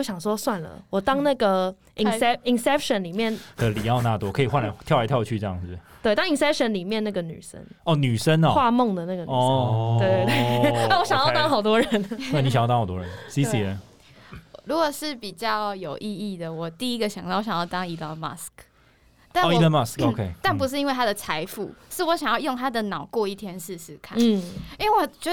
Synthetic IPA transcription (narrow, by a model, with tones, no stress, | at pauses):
ɕjɑ˨˩ŋʂwɔ˦˥swa˥˨˩nlə̰˩wɔ˨˩t̪ɑ˥ŋna˥˩ɡə˨ | ʔi˨nɛ˥i˨˩nsɛ˥p̚ʃə˨˦nli˨˩mjɛ˥˩nd̪ə˧˦li˨˩jɑ˥˧ʊna˥˧t̪wɔ˦˥kʰɤ˧˥i˨˩xwa˥˨nla˧˦ɪt̪ʰjɑ˥˩la˧˦t̪ʰjʊt͡ɕʰy˥˧ʈ͡ʂɤ˥˧jɑ̰˥˩ŋd͡z̩˨˩t̪we˥˩ɪt̪ɑ˥ŋi˨nsɛ˥pʂə˨˦nli˨˩mjɛ˥˧na˥˩ɡə˨ny̰˨˩sə̰˦˥nɔ˥˩ny˨˩ʂə˦nɔ˨xwa˥˧mɔ˥˨ŋd̪ə˩˨na˥˩ɡə˩ɔ˩˥e˥˧e˥˧˩wɔ˧˦ɕjɑ˨ŋjt̪ɑ˥ŋxɑ˨˩ʊt̪wɔ˦ɻə˨˦n˥˩ni˥ɕa˨jt̪ɑ˥˦˥xt̪wɔ̰˦˥ɻə̰˦nsi˧˦i˨ə˧˨ | ɻu˧˥ɡwɔ˨˩ʂɻ̩˥˩pi˨˩t͡ɕjɑ˥˩ʊjo˨˩ʊʔi˥˧i˥˩d̪ə˩wɔ˨˩t̪i˥˩i˦˥ɡə˨ɕjŋɑ˥˩wɔ˧˥ɕjɑ˨jɑ˥˩t̪ɑ˥ŋi˧t̪ɑ˥˧˩ma̰˥˩sk | t̪a˥˩n˨i˥t̪ə˥˧ma˥˩sko˨˧kʰe˦ɪt̪a˥˩np̬u˧ʂɻ̩˥˩i˥nwe˥˩ɪa˥d̪ə˨t͡sʰa˧˥ɪfṵ˥˩ʂɻ̩˥˩˨wɔ˧˥ɕjŋjɑ˥˧ʊjo˥˧ŋt̪ʰa˥d̪ə˨nɑ˨˩ʊkwɔ˥˧i˥˩t̪ʰjɛ˥nʂɻ̩˥˧ʂɻ̩˥˧kʰa̰˥˨˥i˦we˥˩wɔ˨˩t͡ɕɛ˧˥